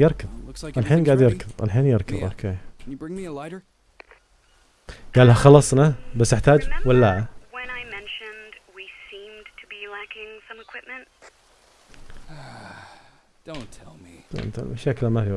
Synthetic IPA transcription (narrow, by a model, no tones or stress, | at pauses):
jɪɾˤkɨðˤkʔalħiːnɡaːʕd̪jɪɾˤkɨðˤʔa̰lħiːnjɪɾˤkɨ̰ðˤo̰ːkʰeːkʰnɨbɹɪ̃ŋmiəlaɪɾə˞ | ɡ̥aːlːhaxɑlːɑsˤnabasːɪħt̪aːd͡ʒwalːaːawɨ̃naɪmɛ̃nʃɨ̃ndwisĩmtʰɨbilækɪ̃ŋsʌ̃mɨkʰw̥ɪp̚mɨ̃nt̚ | d̥õʊ̃ntʰɛlˠmi̥o̰nt̪a̰lmaʃaːklamafi